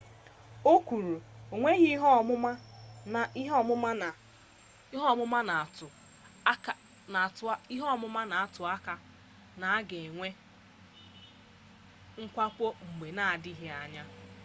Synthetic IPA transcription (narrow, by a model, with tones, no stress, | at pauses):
o˦kʷu˨ɾu˨o˨ŋʷe˦ɣi˦ɦɔ˦˨mʊ˦ma˦na˨˦ɦɔ˦˨mʊ˦ma˦n˨ | i˦ɦɔ˦˨mʊ˦ma˦na˨tʊ˨˦˨ | a˨ti˦ɦɔ˦˨mʊ˦ma˦na˨a˨tʊ˨a˦ka˨ | na˨a˦ɡe˨ŋʷe˦ | ŋ̩˦kʷa˦k͡po˦ŋ͡m̩˨ɡ͡be˨na˨a˨dɪ˦ɦe˦a˨ɲa˦